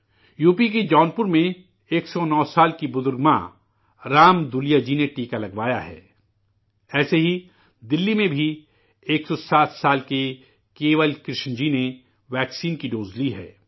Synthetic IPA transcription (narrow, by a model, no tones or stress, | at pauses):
juːpik̬ed͡ʒɔːnpʊɾmẽ | eːksɔnɔːsaːlkibʊzʊɾɡmã̰ | ɾaːmd̪ʊlijad͡ʒineʈiːkalɐɡʋaːjaɦɛ̰ː | ɛːseɦi | d̪ɪlːimẽbʱi | eːksɔsaːt̪ʰsaːlke | keːʋəlkɾɪʃnd͡ʒine | ʋɛːksiːnkiɖoːzliɦɛ̰ː